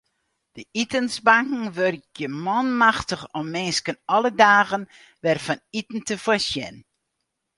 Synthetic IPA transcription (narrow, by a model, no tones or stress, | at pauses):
d̥əitənsbaŋkŋ̩ʋørkjəmɔnmaxtəxɔmːɪnskənɔlədaːɣən | ʋɛrfɔnitn̩təfasjɛ̰n